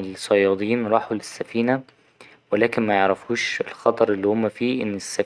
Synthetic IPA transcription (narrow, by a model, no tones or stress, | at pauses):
elsˤɑjɑːd̪ˤiːnɾˤɑːħulɪsːæfiːnæ | welæːkɪnmæjeʕɾæfuːʃelxɑt̪ˤɑɾˤelːihomːæfiːʔɪnːesːæ